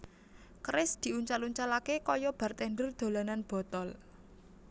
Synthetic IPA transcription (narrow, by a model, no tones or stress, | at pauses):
kɾɪsd̪̥i̤ʔuɲt͡ʃaluɲt͡ʃalakekɔjɔb̥a̤rt̪ɛɳɖərd̪̥o̤lananb̥ɔ̤t̪ɔl